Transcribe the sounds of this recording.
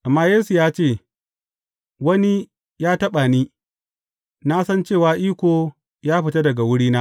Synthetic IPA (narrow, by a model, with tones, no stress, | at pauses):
ʔa˨mːaː˦jeː˦su˨jaː˦t͡ʃeː˦˨ | wɐ˦ni˦ | jaː˦tɐ˦ɓa˨niː˦ | naː˦sɐ˦nt͡ʃeː˦˨waː˨ʔiː˦kʷoː˨ | jaː˦ɸɪ˨ta˦dɐ˨ɡa˨wʊ˦ɽiː˦naː˦